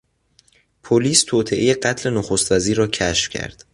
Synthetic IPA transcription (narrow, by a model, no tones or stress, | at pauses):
pʰoliːst̪ʰoːt̪ʰeʔeje̞ɢæt̪ʰle̞noxost̪væziːɾːɒːcʰæʃfcʰæ̰ɾd̪̥